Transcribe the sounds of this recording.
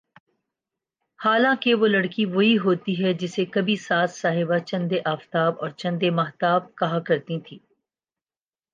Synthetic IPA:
haːlãːkeʋolɐɽkiʋoɦiɦoːt̪iɦɛd͡ʒɪsekɐbʱisaːt̪saːɦɪbat͡ʃɐ̃nd̪eʔaːft̪aːbɔːɾt͡ʃɐ̃nd̪emɐɦt̪aːb̚kɐɦãkɐɾt̪ĩt̪ʰiː

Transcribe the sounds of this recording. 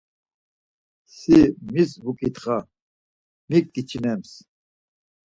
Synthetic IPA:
simisvukʼit̪χa | mikːit͡ʃʰinɛms

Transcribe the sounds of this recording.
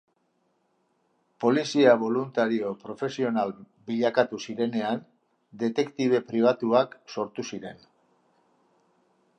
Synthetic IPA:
po̞lisiaβ̞o̞lunt̪aɾio̞pɾo̞fe̞sio̞nal | biʎakat̪usiɾe̞ne̞an | d̪e̞t̪e̞kt̪iβ̞e̞pɾiβ̞at̪uakso̞ɾt̪usiɾe̞n

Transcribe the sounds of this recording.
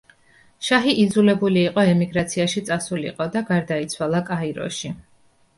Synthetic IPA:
ʃaɦiʔid̪zulɛbuliːqʼɔɛmiɡɾat̪sʰiaʃit̪sʼasulḭqʼɔd̪aɡaɾd̪ait̪sʰwalˠakʼaiɾɔ̰ʃi

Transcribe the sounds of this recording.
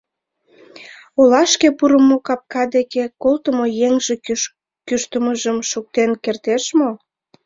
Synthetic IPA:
olɑʃkepuɾəmokɑp̚kɑd̪ekekolt̪əmojeŋʒe | kyʃt̪əməʒəmʃuk̚t̪enkert̪eʃmo

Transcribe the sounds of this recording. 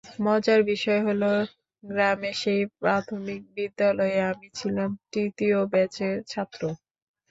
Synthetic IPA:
mɔd͡ʑaɾbiʃɔeɦolo | ɡɾameʃejpɾat̪ʰomik̚bid̪ːalɔeamit͡ɕʰilamt̪ɾit̪iobɛt͡ɕeɾt͡ɕʰat̪ːɾo

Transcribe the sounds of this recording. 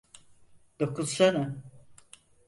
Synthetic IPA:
d̪̥okuzsana

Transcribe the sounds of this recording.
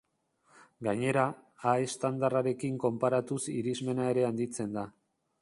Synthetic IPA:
ɡaɲe̞ɾaːe̞st̪and̪araɾe̞kiŋko̞mpaɾat̪usiɾizme̞nae̞ɾe̞and̪it͡se̞nd̪a

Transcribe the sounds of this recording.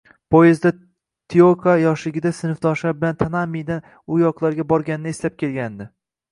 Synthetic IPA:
pʰojezd̪a | t̪ʰiokʰajɒʃlɪɡʲɪd̪asɪnɪfd̪ɒɾʃlaɾbɪlant̪ʰanamejd̪an | ʊjɒqlˠaɾɡʲabɒɾɡʲanɪnɪeslap̚kʲʰe̞lɡʲand̪ɪ

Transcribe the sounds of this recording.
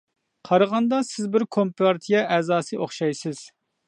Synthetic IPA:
qʰɑɾəʁɑnd̪ɑsɪzbɪɾkʰompɑɾt̪ʰijɑʔɛːzɑːsɨʔoχʃɑjsɪz̥

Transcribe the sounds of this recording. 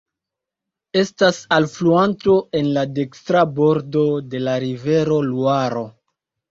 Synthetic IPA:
e̞stasalfluanto̞e̞nlade̞kstɾabo̞ɾdo̞de̞laɾive̞ɾo̞luaɾo̞

